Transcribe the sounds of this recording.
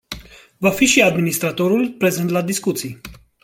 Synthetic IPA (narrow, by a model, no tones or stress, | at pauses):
vafiʃiad̪minist̪ɾat̪oɾulpɾezɛnt̪lad̪iskut̪sij